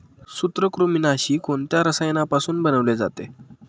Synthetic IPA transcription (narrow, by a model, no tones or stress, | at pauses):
sut̪ɾəkɾominaɕiːkoɳt̪jaɾəsəjenapasuːnbənəʋled͡za̰t̪e